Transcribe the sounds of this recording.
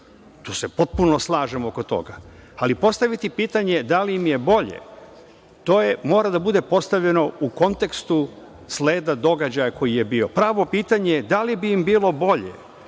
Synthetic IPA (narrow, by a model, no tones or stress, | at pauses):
t̪uːse̞po̞t̪̚punoslˠaːʒemo̞ko̞t̪o̞̰ɡaalipo̞st̪aʋit̪ipiːt̪aɲe̞d̪aliimje̞bo̞ʎḛ | t̪o̞ːjemo̞ːɾad̪abud̪e̞po̞st̪aʋʎe̞no̞uko̞nt̪e̞kst̪u | sleːd̪ad̪o̞ɡad͡ʑajakʰo̞jijebiːo̞pɾaːʋo̞piːt̪aɲejed̪alibiːmbiːlo̞bo̞ʎḛ